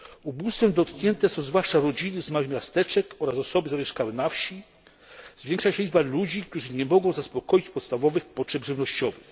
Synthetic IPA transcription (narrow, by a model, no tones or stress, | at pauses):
ubust̪fɛmd̪ɔt̪kɲɛnt̪ɛsɔ̃w̃zvwaʂt͡ʂaɾɔd͡ʑinɘzmawɘxmjast̪ɛt͡ʂɛkɔɾasɔsɔbɘzamʲjɛʂkawɘnafɕi | zvʲjɛŋkʂaɕɛiʐbalud͡ʑik̚t̪uʐɘɲɛmɔɡɔ̃w̃zaspɔkɔjit͡ɕpɔt̪st̪avɔvɘxpɔtʂɛbʐɘvnɔɕt͡ɕɔvɘx